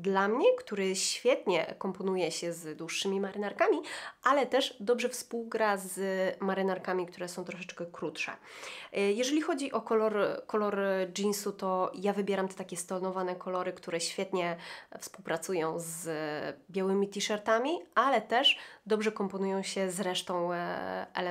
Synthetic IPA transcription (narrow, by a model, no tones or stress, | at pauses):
d̪lamɲɛkt̪uɾɘɕfʲjɛt̪ɲɛ̰kɔmpɔn̪ujɛɕɛzd̪wuʂːɘmʲimaɾɘnaɾkamʲiʔalɛt̪ɛʐd̪ɔbʐɛfspuwɡɾazmaɾɘnaɾkamʲikt̪uɾɛsɔ̃w̃t̪ɾɔʂɛt͡ʂkɛkɾut̪ʂɛ̰ | jɛʐɛlʲixɔd͡ʑiʔɔkɔlɔɾkɔlɔɾd͡ʒinsut̪ɔjavɘbʲjɛɾamt̪ɛ̥t̪akʲɛst̪ɔlnɔvanɛkʰɔlɔɾɘkt̪uɾɛɕfʲjɛt̪ɲɛfspuwpɾat̪sujɔ̃w̃z | bʲjawɘmʲit̪ʲiʂɛɾt̪amʲialɛt̪ɛʂd̪ɔbʐɛkɔmpɔnujɔ̃w̃ɕɛzɾɛʂt̪ɔ̃w̃ɛ̰lɛ